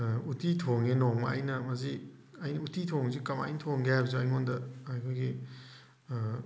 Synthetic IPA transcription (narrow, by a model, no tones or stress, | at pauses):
utitʰoŋenɔŋmɐɐjnɐmɐzi | ɐjnɐutitʰoŋzikɐma̰jnɐtʰoŋɡeɦajbɐzuajlmondɐɐjkʰojɡi